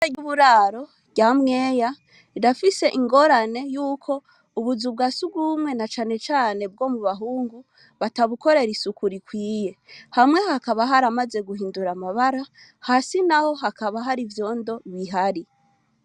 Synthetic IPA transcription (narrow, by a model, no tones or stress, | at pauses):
aɟuβuɾaːɾo̞ | ɟamŋe̞ːja | iɾafise̞ʔiŋɡo̞ɾane̞juːkʰo̞ | uβuzub̚ɡaːsuɡumŋe̞nat͡ʃaːne̞t͡ʃaːne̞b̚ɡo̞ːmuβaɦuːŋɡu | βataβuko̞ɾe̞ɾisukuɾikwiːje̞hamŋe̞hakaβaɦaɾamaze̞ɡuɦiːnduɾamaβaɾa | hasinaho̞ɦakaβaɦaɾivjo̞ːndo̞βiɦaɾi